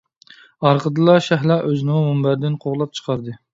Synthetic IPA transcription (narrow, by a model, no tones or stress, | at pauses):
ɑɾqəd̪ɨlˠɑʃæɦlˠɑʔøznɪŋumbæɾd̪ɪnqʰoʁlˠɑp̚t͡ʃʰə̥qʰɑɾd̪ɨ